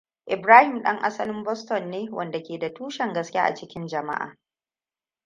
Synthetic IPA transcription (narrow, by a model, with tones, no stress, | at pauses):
ʔɪ˨bɾaː˦hɪ˨mɗɐ˦ŋʔa̰˦sɐ˦lɪ˦mbɔ˦stɔ˨nːeː˦wʔɐ˨nda˨kʲeː˨da˨tuː˦ʃɛ˨ŋɡɐ˦skʲa̰ː˦ʔa̰˨t͡ʃɪ˦kʲɪ˦nd͡ʒɐ˨ma̰˦ʔa̰ː˨